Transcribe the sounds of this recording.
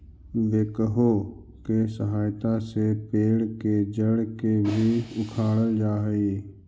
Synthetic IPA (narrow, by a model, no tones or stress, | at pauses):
ʋeːkəɦo | kesəɦaːjt̪ãsepeːɽked͡ʒəɽkebʱiʊkʰaːɽəld͡ʒaːɦiː